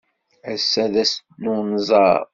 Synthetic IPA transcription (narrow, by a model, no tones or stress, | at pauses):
əsːæðæs | nːunzˤɑ̰